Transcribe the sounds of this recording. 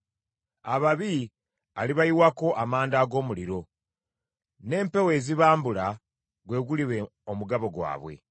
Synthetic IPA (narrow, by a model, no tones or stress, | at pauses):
aβaβi | a̰liβajiwako̞ʔamaːndaːɡo̞ːmuliɾo̞ | ne̞ːmpe̞we̞ːziβaːmbula | ɡwe̞ːɡuliβe | omuɡaβo̞ɡwa̰ːβwe̞̰